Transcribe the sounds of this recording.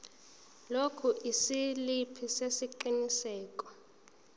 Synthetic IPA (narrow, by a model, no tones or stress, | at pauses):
lokʰuʔisilipʰisesiǃinisɛːk̬ʼɔ̥